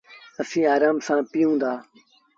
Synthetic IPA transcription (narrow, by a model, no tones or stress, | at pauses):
əsĩːaːɾaːmsãːpɪjũːnd̪aː